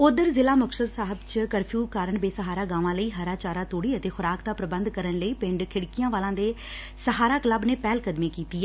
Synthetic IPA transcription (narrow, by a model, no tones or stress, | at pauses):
ʊd̪əɾzɪlaːmʊksəɾsaːɦəbt͡ʃkəɾpʰjuːkaːɾəɳbeːsəɦaːɾaːɡãːʋãːləiːɦəɾaːt͡ʃaːɾãːt̪oːɽiːət̪eːxʊɾaːk̚d̪aːpɾəbənd̪kəɾənləiːpɪ̃ɳɖkʰɪɽkijãːʋaːlãːd̪eː | səɦaːɾaːkələbneːpɛːlkəd̪mẽːkiːt̪iːɛː